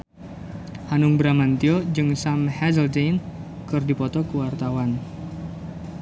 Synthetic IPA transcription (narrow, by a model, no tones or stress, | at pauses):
hanʊŋbɾamant̪iɔd͡ʒɨŋsamhɛzəld͡ʒejn | kɨrdipɔt̪ɔkəwart̪awan